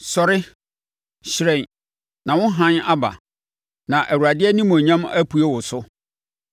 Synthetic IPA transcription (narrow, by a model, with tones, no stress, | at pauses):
sɔ˨ɾɪ˦ | ɕɪ˨ɾɛ̃˨ | nã˨wʊ̃˦ɦã˦na˦ba̰˨ | nã˨ʔæ˨wu˨ɾa˨dɪ˦ɛ˦nĩ˦mõ˨ɲã˦mæ˦pʰu˨˦e˦wʊ˨sʊ˦